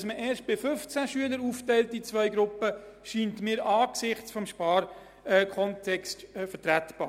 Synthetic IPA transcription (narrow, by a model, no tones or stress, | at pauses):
sməʔɛːɾʃt̚b̥ɪfɵft͡sæʃyələɾuːftɛɪltit͡svœʏɡɾʊpːəʃiːntmɪːɾʔɑːksɪχt͡sfɔmʃpɑːɾ | ɛkʰɔntʰɛkstːfəɾtɾætb̥ɑ̰ː